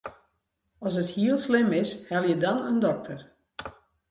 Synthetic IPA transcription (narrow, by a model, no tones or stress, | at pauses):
ɔsəthiəlˠslɪmɪshɛlˠjədɔnəndɔk̚tʰər